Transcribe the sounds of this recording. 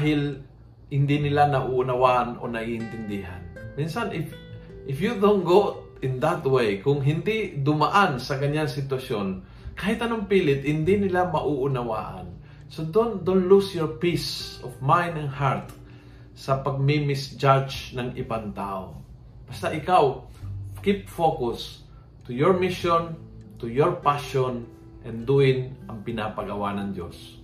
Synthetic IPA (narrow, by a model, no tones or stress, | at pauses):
aɦɪl | hɪnd̪ɪnɪlanɐʔuʔʊnawaʔanʔo̰nɐɡiʔɪnt̪ɪnd̪ɪɦa̰nminsanʔɪf | ʔɪfjud̪õnɡot̪̚ | ɪnd̪at̪wejkʊŋɦɪnd̪id̪ʊmaʔansɐkɐɲaŋsɪt̪wɐson | kaːhɪt̪ɐnoŋpiːlɪt̪hɪnd̪inɪlamɐʔuʔʊnawa̰ːʔa̰n | sod̪ond̪onlusjɔɹpisɔfmajnd̪ɐnhaɹt̪ | sɐpɐɡ̚mimɪsd͡ʒad͡ʒnɐŋʔɪ̰bant̪aʔo̰ | b̥ɐst̪aʔɪkaw | kip̚fokʊs | t̪ʊjɔɹmɪʃon | t̪ʊjɔɹpaʃon | ʔɛnd̪uɪnʔɐŋpɪnapɐɡɐwanɐŋd̪jo̰s